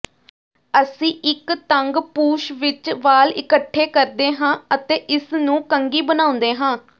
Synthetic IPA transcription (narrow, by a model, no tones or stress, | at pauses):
əsĩːʔɪkt̪əŋɡpuːʃʋɪt͡ʃʋaːlɪkəʈʰːeːkəɾd̪eːɦãːət̪eːʔɪsnũːkəŋɡiːbənãːʊ̃nd̪eːɦãː